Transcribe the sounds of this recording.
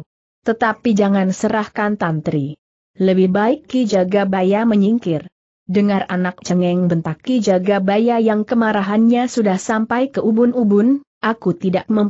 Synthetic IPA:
t̪ət̪apid͡ʒaŋansəɾahkant̪ant̪ɾi | ləbɪhbaɪkːid͡ʒaɡabajaməɲiŋkɪr | dəŋaranak̚t͡ʃəŋɛŋbənt̪akːid͡ʒaɡabajajaŋkəmaɾaɦanɲasudahsampajkəʔubʊnubʊn | ʔakut̪idaʔ̚məm

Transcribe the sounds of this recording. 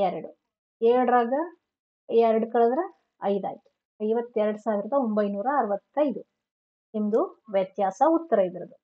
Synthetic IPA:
ɛɾɐɽu | eɾɽɾaːɡɐ | ɛɾɐɽukɐɭɐd̪ɾɐ | ɐjd̪a̰ːki̥ | ɐjʋɐt̪ːɛɾɐɽusaːʋiɾɐd̪ɐo̞mbɐjnuːɾɐːɾʋɐt̪ːɐjd̪u | emd̪uʋjɐt̪jaːsɐut̪ːɐɾɐid̪iɾɐd̪u

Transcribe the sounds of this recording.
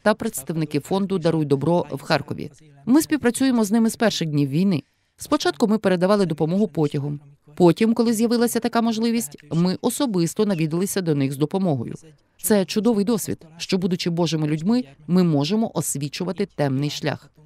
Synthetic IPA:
t̪ɐpɾet̪st̪ɐʋnɪkɪfɔnd̪ʊd̪ɐɾuj̚ʲd̪ɔbɾɔwxɑrkɔ̰ʋʲḭ | mɪsʲpʲiwpɾɐt͡sʲujemɔznɪmɪzpɛrʃɪdʲnʲiwːʲijnɪ | spɔt͡ʃɑt̪kʊmɪpeɾe̞d̪ɐʋɑlˠɪd̪ɔpɔmɔɦʊpɔtʲɐɦɔm | pɔtʲimkɔlˠɪzʲjɐʋɪlˠɐsʲɐt̪ɐkamɔʒlˠɪʋʲisʲtʲmɪʔɔsɔbɪst̪ɔnɐʋʲid̪ɪlˠɪsʲɐd̪ɔnɪxzd̪ɔpɔmɔɦɔ̰jʊ̰ | t̪sɛt͡ʃʊd̪ɔʋɪjd̪ɔsʲʋʲḭd̪̥ʃt͡ʃɔbud̪ʊt͡ʃɪbɔʒɪmɪlʲʉdʲmɪmɪmɔʒemɔʔɔsʲʋʲit͡ʃʊʋɐt̪ɪt̪ɛmnɪjʃlʲa̰x

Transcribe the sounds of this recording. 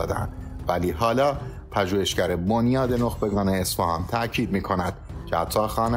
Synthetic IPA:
d̪æ̰nd̪væliːɦɒːlɒː | pʰæʒuːhe̞ʃcæɾebonjɒːd̪e̞noxbe̞ɡɒːneːsfæhɒːnt̪ʰæʔcʰiːd̪miːkʰo̞næd̪̥cʰehæt̪ʰːɒːxɒːn

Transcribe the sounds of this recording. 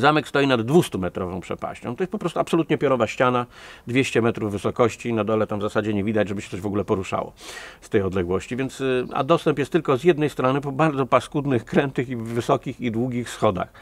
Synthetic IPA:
zamɛkst̪ɔjinad̪ːvust̪umɛt̪ɾɔvɔ̃pʂɛ̰pa̰ɕt͡ɕɔ̃t̪ɔjɛst̪pɔpɾɔst̪uapsɔlut̪ɲɛpʲjɔɾɔvaɕt͡ɕanad̪vʲjeɕt͡ɕɛmɛt̪ɾuvːɘsɔkɔɕt͡ɕinad̪ɔlɛt̪amvzasad͡ʑɛɲɛvʲid̪ad͡ʑʐɛbɘʃɕɛ̥t̪ɔʑvɔɡulɛpɔɾuʂa̰wɔ̰st̪ɛjɔd̪lɛɡwɔɕt͡ɕivʲjɛnt̪sa̰d̪ɔst̪ɛmpjɛst̪ːɘlkɔzjɛd̪nɛjst̪ɾɔnɘpɔbaɾd̪zɔpaskud̪nɘxkɾɛnt̪ɘxiːɘsɔkʲixid̪wuɡʲixsxɔd̪a̰x

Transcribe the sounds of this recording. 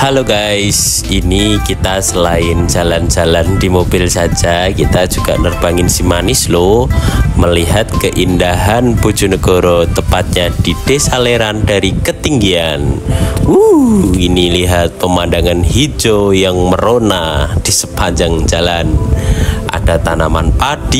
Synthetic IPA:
haloɡajs | inikit̪asəlaɪnd͡ʒaland͡ʒalandimobɪlsad͡ʒakit̪ad͡ʒuɡa̰ʔnərb̥aŋɪnsimanɪslo | məliɦat̪̚kəʔindaɦanbud͡ʒunəɡoɾot̪əpat̪̚ɲad̥id̥esaleɾandaɾikət̪iŋɡianuiniliɦat̪̚pəmandaŋanɦid͡ʒojaŋməɾonad̥isə̥paɲd͡ʒaŋd͡ʒalan | ʔa̰d̥at̪anamanpad̥i

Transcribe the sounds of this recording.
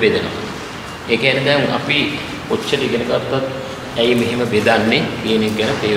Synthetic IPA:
ʋed̪eno̰ma̰ | eːkeæned̪ɛŋa̰pi | kot͡ʃːəɾiɡenəɡat̪ːat̪ | æjmeɦeməbed̪anːekijənek̚ɡænəpeː

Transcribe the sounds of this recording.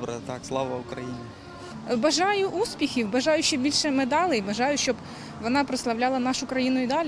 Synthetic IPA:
bɾɐt̪ɑkslˠɑʋɐʊkɾɐjinʲɪ | bɐʒɑjʊʔuspʲixʲiwbɐʒɑjʊʃt͡ʃɔbʲilʲʃɛmed̪ɑlˠɪjbɐʒɑjʊʃt͡ʃɔb | ʋɔnɑpɾɐslˠɐwlʲɑlˠɐnɑʃʊkɾɐjinʊid̪ɑlʲ

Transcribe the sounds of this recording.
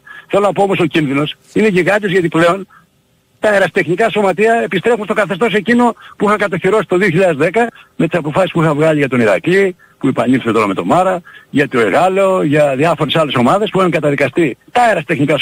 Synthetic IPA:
θelo̞nɐpo̞omo̞socinðino̞s | ineʝiɣɐt̪ozʝɐt̪iple̞o̞n | t̪ɐeɾɐst̪e̞xnikɐso̞mɐt̪iɐepist̪ɾe̞xunst̪o̞kɐθest̪o̞se̞cino̞puixɐkɐt̪oçiɾo̞si̥t̪o̞ðioçiʎɐðezðe̞kɐmet̪isɐpo̞fɐsispuixɐvɣɐʎiʝɐt̪o̞niɾɐ̰kli | puepɐnilθet̪o̞ɾɐme̞t̪o̞̰mɐɾɐʝɐt̪oeɣɐloʝɐðiɐfo̞ɾe̞sɐle̞so̞mɐðe̞spuixuŋkɐt̪ɐðikɐst̪it̪ɐeɾɐst̪e̞xnikɐ

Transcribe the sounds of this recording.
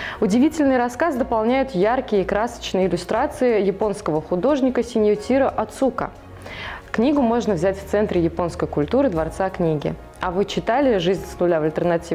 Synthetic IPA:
ʊdʲɪvʲitʲɪlʲnɨjɾɐskazd̪əpalˠnʲæjʊt̪jarkʲɪjəɪkɾasə̥t͡ɕnɨjəɪlʲʊst̪ɾat̪sɨɪjɪpo̞nskəvəxʊd̪o̞ʐnʲɪkəsʲɪnʲjʊtʲiɾəʔɐt̪sukə̰ | knʲiɡʊmo̞ʐnəvzʲætʲft̪sɛnt̪ɾʲɪjɪpo̞nskəjkʊlʲt̪uɾɨd̪vɐrt̪saknʲiɡʲɪ̰ | ɐvɨt͡ɕɪt̪alʲɪʐɨzʲnʲsnʊlʲavəlʲt̪ʲərnɐtʲivɪ

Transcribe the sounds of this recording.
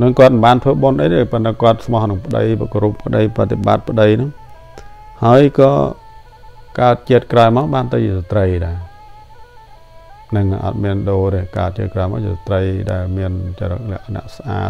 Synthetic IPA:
nɨŋkŏət̪̚nɨmɓaːnt̪ʰʋəːɓonɗəjt̪eːpənt̪aːkŏət̪̚sʰmɑhnɨŋpə̆ɗə̰jpkoɾupʰːə̆ɗəjprat̪ːeɓa̰t̪̚pə̆ɗəjnɨŋ | haəjkɑ̰ː | kaət̪̚t͡ɕiət̪̚kraɔjmaːwɓaːnt̪ɨwt͡ɕiəsat̪rəjɗaɛ | nɨŋʔɑ̰t̪̚miənɗoːɾiəhka̰ət̪̚t͡ɕiət̪̚kraɔmaːwt͡ɕiəsat̪rəjɗaɛlmiənt͡ɕaɾə̰k̚lɛ̆əʔkʰːană̰əʔsʔa̰ːt̪̚

